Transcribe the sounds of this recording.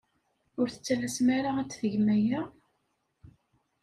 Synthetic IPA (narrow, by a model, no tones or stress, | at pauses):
ʊɾθə̥t͡sːælæsmæɾaæt͡sːθəʝmæjæ